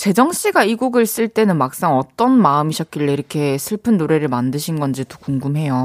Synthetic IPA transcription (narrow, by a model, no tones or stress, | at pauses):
t͡ɕe̞d͡ʑʌŋɕ͈iɡaiɡoɡɯɭs͈ɯɭt͈e̞nɯnmak̚s͈aŋʌt͈ʌnmaɯmiɕʰʌk͈iɭːeiɾʌkʰe̞sʰɯɭpʰɯnːoɾe̞ɾɯɭmandɯɕʰinɡʌnd͡ʑito̥kuŋɡumɦe̞jo